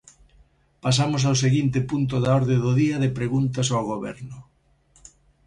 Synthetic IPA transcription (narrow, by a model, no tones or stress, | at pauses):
pas̬amosawseɣint̪ɪpunt̪̬ʊðaɔɾðẽðʊðiɐðɪpɾeɣunt̪ɐs̬awɣoβɛ̰ɾnʊ